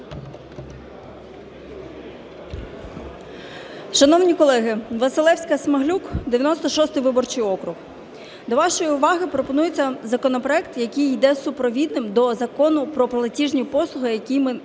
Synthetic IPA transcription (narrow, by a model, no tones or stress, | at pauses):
ʃɐnɔwnʲikɔlˠɛɦɪʋɐsɪlˠɛwsʲkɐsmɐɦlʲukd̪eʋʲjɐnɔst̪ɔʃɔst̪ɪjʋɪbɔrt͡ʃɪjɔkɾʊx | d̪ɔʋɑʃɔjiʊʋɑɦɪpɾɔpɔnujet͡sʲːɐzɐkɔnɔpɾɔɛkt̪jɐkʲijd̪ɛsʊpɾɔʋʲid̪̚nɪmd̪ɔzɐkɔnʊpɾɔplˠɐtʲiʒnʲipɔslˠʊɦɪjɐkʲijmɪ